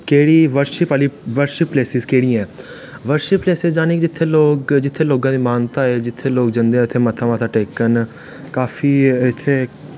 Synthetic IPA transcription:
keːɽiːʋəɾʃɪpaːliːʋəɾʃɪpːleːsɪzkeːɽiːãɛ̃ː | ʋəɾʃɪpːleːsɪzd͡ʒaːneːkd͡ʒɪt̪ʰːeːloːɡd͡ʒɪt̪ʰːeːloːɡãːd̪iːmaːnt̪aːɛːd͡ʒɪt̪ʰːeːloːɡ̚d͡ʒə̃nd̪eːɛ̃ʊt̪ʰːeːmət̪ʰaːmət̪ʰaːʈeːkən | kaːfiːɪt̪ʰːeː

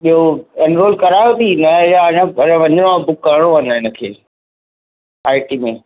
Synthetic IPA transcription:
ɓiɦoɛnɾoːlkɐɾaːjot̪ʰiːnɐjaɲãɐɾʋɐ̃ɲəɽ̃oãbʊkːɐɾɽ̃oənɪnəkʰḛː | aːɪʈiːmẽ

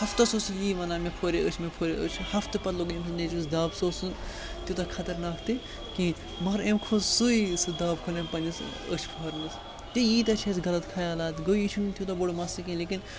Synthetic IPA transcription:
hɐft̪ɐsoːsɨjiːʋɐnaːmepʰoːɾeət͡ʃʰmepʰoːɾeət͡ʃʰhɐft̪ɨpɐt̪loɡemsɨnet͡ʃs̬d̪aːbsoːsu | t̪ʲjut̪ɐkʰɐt̪ɐɾnaːkʰt̪i | ki | mɐɾemkʰozsuisɨd̪aːb̚kʰolempɐnʲɐs | ət͡ʃʰpʰoɦɐɾnɐs | t̪ijiːt̪ɐt͡ʃʰesɡɐlɐt̪kʰaːjaːlaːt̪ɡoit͡ʃʰunt̪jut̪ɐboɽmɐsikẽleːkin

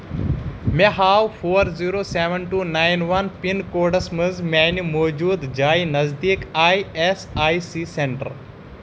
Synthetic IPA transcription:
meɦaːwpʰoːɾziːɾoːseʋənʈuːnaːjnʋɐnpinkoːɖɐsmɨzmeːnimoːd͡ʒuːd̪d͡ʒaːinɐzd̪iːkaːjesaːisiːseɳʈə̰ɾ

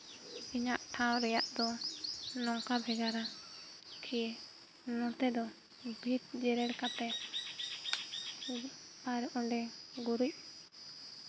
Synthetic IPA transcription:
iɲaʔʈʰãw̃ɾɛjaʔd̪ɔnɔ̃ŋkabʱɛɡaɾa | kʰi | nɔt̪ɛd̪ɔ | bʱit̪̚d͡ʒɛɾɛɽkat̪ɛ | aɾʔɔɳɖɛɡuɾuc̚

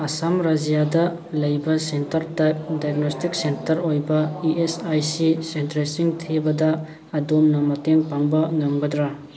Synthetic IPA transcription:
ɐsamɾad͡ʒijadɐ | lɐjbɐsentɐɾtajp̚dajɡnostik̚sentɐɾojbɐiesajsisentɾesiŋtʰebɐdɐː | domnɐmɐteŋpaŋbɐŋɐmɡɐdɾa

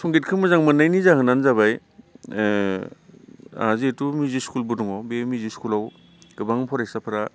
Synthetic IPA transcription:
sʰɔŋɡitkʰɯmɯzaŋmɯnajnizaɦɯnanzaβaj | a̰zetumiziskulbudɔŋɔbemiziskulaw | ɡɯbaŋpʰɔɾajsapʰɯɾa

